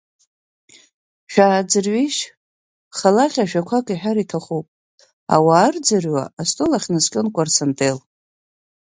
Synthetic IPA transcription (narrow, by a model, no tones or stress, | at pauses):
ʃᶣaːd͡zɨrɥiʃ | χalaχʲaʃᶣakʷʰakʼiħᶣaɾitʰaχuwpʼ | a̰waːrd͡zɨrɥa̰astʼolaχʲnɨskʲʼɪnkʷʼarsantʼel